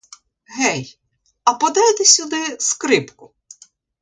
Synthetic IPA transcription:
ɦɛj | ɐpɔd̪ɑjt̪ɛsʲʊd̪ɪskɾɪpkʊ

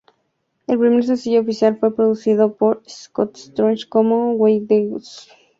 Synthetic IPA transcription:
e̞lpɾime̞ɾs̬elsiʝoːfisjalfwe̞pɾoðusið̞opoɾeskot̪st̪ɾont͡ʃkomowejðeus

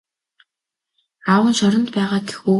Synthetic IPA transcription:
awə̆nʃɔɾɞ̆nt̪pæːʁaːɡe̥xuː

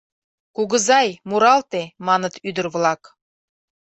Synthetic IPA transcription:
kuɡə̆zɑjmuɾɑlˠt̪emɑnə̆t̪yd̪əɾβlˠɑk

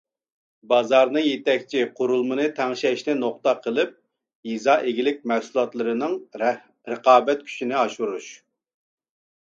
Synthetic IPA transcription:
bɑzɑɾnɨŋjet̪ɛkʲt͡ʃʰiqʰoɾulˠmɨnɨt̪ʰɛŋʃɛʃnɪnoqt̪ɑqʰəlˠɨp̚ | jizɑːʔeɡʲilɪk̚ʲmæhsulˠɑt̪lˠɨɾɨnɨŋ | ɾəqɑːbɛt̪̚kʲʰy̥ʃinɪɑʃuɾuʃ

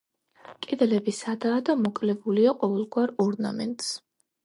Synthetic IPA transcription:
kʼɛd̪ɛlɛbisad̪aːd̪amɔkʼlɛbuliaqʼɔvɛlˠɡwaɾɔɾna̰mɛ̰nt̪ʼs

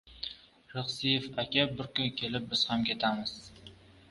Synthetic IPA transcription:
ɾɨχsɪjefakʲʰabɪɾkʊnkʲʰe̞lɪp̚bɪz̥hamkʲʰet̪ʰamɪz̥

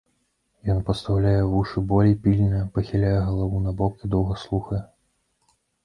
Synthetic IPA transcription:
jɔnpɐst̪awlʲajɛvuʂɨbɔlʲijpʲilʲinɐpɐxʲilʲajɛɣɐlˠavunɐbɔkid̪ɔwɣɐslˠuxɐjɛ

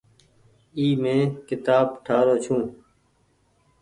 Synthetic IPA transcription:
iːmẽːkɪt̪aːbʈʰaːɾoːt͡ʃʰũː

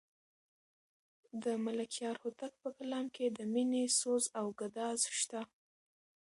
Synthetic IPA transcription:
d̪əmalakjɑɾhot̪ak̚pəkalɑmked̪əminesozawɡad̪ɑzʃt̪a

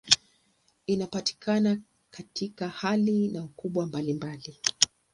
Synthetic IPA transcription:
inapati̥kʰana | katʰikahalinaukuɓwambalimbali

